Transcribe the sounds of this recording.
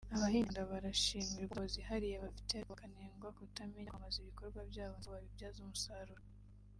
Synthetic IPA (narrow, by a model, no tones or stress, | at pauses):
aβahiːŋdaβaɾaʃiːmiɾuβozihaɾijeβafi̥tekaneːŋɡwakutamiɲmaziβiko̞ɾɡwabjaːβooβaβibjaːzumusaɾuɾo